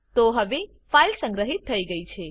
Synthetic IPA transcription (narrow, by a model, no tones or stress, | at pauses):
t̪oɦəʋe | failsə̃ŋɡɾəɦit̪ʰːəiɡəit͡ʃʰe